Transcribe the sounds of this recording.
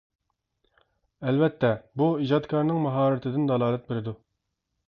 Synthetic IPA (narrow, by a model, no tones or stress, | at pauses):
ɛlvɛt̪ʰːɛbuid͡ʒɑd̪kʰɑɾnɨŋmɑɦɑːɾɨt̪ʰɪd̪ɪnd̪ɑlˠɑːlˠɛt̪̚beɾɪd̪u